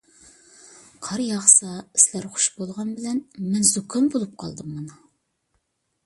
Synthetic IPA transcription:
qʰɑɾjɑʁsɑɪ̥slæɾχʊ̥ʃbolˠʁɑnbɪlɛnmɛnzokʰɑnbolˠup̚qʰɑ̰lˠd̪ɨmːɑnu

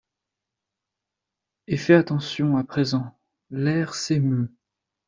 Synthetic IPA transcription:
efɛat̪ɑ̃sjɔ̃apχezɑ̃ | lɛʁsemø

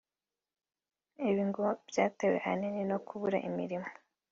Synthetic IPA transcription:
iβiŋɡob̥jaːtewe̞̰ʔa̰ninino̞kuβuɾa̰ʔimḭɾimo̥

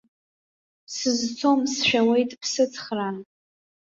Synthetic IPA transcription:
sɨzt͡sʰo̞msʃʷᶣawe̞jtʼpʰsɨt͡sʰʼχran

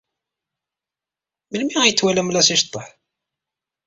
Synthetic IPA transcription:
məlmiæjət͡sːwælæmlæsiʃt̪ˤːəħ

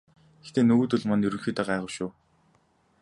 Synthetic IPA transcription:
ext̪eːnɵɣut̪ɵɮmɔnjɵɾɵ̆ŋxiːt̪aːɢaːʁə̆wʃʊː

